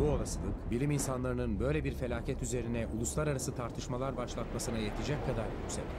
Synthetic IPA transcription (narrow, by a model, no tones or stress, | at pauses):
buolˠasɯlˠɯkbilʲiminsanlˠaɾɯnɯnbø̞jlʲebiɾfe̞lʲaːcʰɛt̪yze̞ɾinɛʔulˠuslˠaɾaɾasɯt̪ʰaɾt̪ʰɯʃmalˠaɾbaʃlˠat̪masɯnajet̪ʰid͡ʒɛc̚kʰːad̪aɾjycsɛ̰lʲ